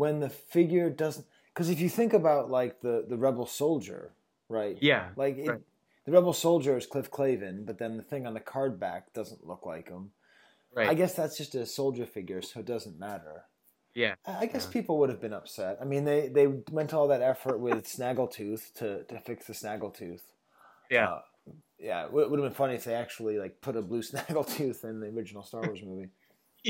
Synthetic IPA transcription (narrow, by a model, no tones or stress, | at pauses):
wə̃nðɨfɪɡjə˞dʌzn | kʰʌzɨfjɨθɪ̃ŋkɨbaʊʔˡlaɪk̚ðɨðɨɹɛbl̩ˠsoʊlˠd͡ʒə̰˞ | ɹaɪt̚jælaɪkɪ | ðɨɹɛbl̩ˠsoʊlˠd͡ʒə˞ɨz̥kʰl̥ɪfkʰl̥eɪvɨ̃nbʌt̪̚ðɨ̃nðɨθɪ̃ŋə̃nðɨkʰɑɹd̚bæ̰k̚d̥ʌzə̃nʔlʊ̰kla̰ɪkə̃m | aaɪɡɛsðætsd̥ʒ̥ʌstɨsoʊlˠd͡ʒə˞fɪɡjə˞soʊɨt̚d̥ʌzɨ̃n̩mæɾə̰˞ | jæaaɪɡɛspʰipl̩ˠwʊɾɨvbɨ̃nʌpsɛtaɪmĩnðeɪðeɪmɛ̃ntɔlˠðɨɾɛfə˞t̚wɪð̥snæɡl̩ˠtʰʉθtʰɨɾɨfɪksðɨsnæɡl̩ˠtʰʉθ | jæʌ | jæ̰wʔ̚wʊɾəvbɨ̃nfʌniɨfðeɪæk̚t͡ʃul̩ˠilaɪk̚pʰʊɾəblʉsnæɡl̩ˠtʰʉθɨ̃nðiə˞ɪd͡ʒɨn̩l̩ˠstɑɹwɔɹzmʉvi